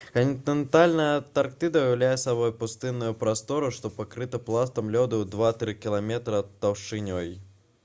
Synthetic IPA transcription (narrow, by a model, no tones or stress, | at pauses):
kɐnʲt̪nʲɛnt̪alʲnɐjɐt̪ark̚t̪ɨd̪ɐujɐwlʲajɛsabɔjpust̪ɨnːujupɾast̪ɔɾuʂt̪ɔpakɾɨt̪ɐplˠast̪ɐmlʲɔd̪ɨwd̪vat̪ɾɨkʲilˠamʲɛt̪ɾɐt̪ɐwʂɨnʲɔj